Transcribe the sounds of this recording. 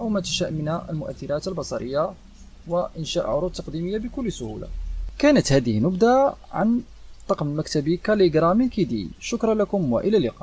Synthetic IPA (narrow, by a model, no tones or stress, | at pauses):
ʔəwmæt̪əʃæʔmənhæʔə̰lmʊʔæ̰θːiɾæt̪əlbɑsˤɑɾəjːa | wəʔənʃæʔʕʊɾˤut̪ːɑqd̪iməjːabəkʊlːsʊhṵla̰kænət̪hæd̪əhənːʊbd̪aʕa̰n | t̪ˤːɑqmmækt̪æbikæliɡɾˤɑminkid̪ḭʃʊkɾˤɑlækʊmwa̰ʔəlælɪqɑ̰ʔ